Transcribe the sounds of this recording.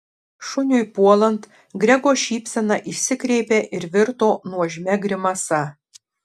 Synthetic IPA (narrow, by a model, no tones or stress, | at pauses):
ʃʊnʲʊipuɔlˠɐnt̪ | ɡɾʲɛɡoːʃʲiːpʲsʲɛnɑʔiʃʲsʲɪkɾʲɛɪpʲeʔɪɾʋʲɪɾt̪oːnuɔʒʲmʲɛɡɾʲɪmɐsɐ